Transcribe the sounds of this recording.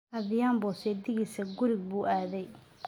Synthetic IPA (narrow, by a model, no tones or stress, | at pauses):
ʔɐðɪjaːmbɔːsɛːd̪ɪɣisɐɡʊɾɪɡ̚buːʔaːðɛj